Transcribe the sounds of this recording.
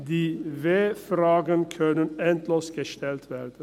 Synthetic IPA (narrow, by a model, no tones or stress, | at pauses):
d̪iːʋeːfɾɑːɡənkʰœnənɛnt̪løːsɡ̥əʃt̪ɛlt̪ʰʋæːɾd̪ə